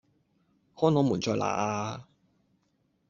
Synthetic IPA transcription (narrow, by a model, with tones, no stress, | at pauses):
hɔː˥nɔː˨˥muː˨˩nt͡sɔː˧jlʔa̰ː˨˩ʔaː˧